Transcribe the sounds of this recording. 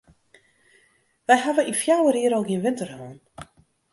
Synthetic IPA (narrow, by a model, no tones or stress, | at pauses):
ʋɛjɦavəʔinfjawəriəɾɔlˠɡiənʋɪntərhoːn